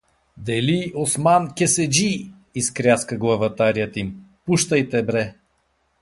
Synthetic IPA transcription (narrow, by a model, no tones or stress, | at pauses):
d̪ɛliosmankʲɛsɛd͡ʒi | iskɾʲjaskəɡlˠɐvɐt̪aɾiət̪impuʃt̪əjt̪ɛbɾɛ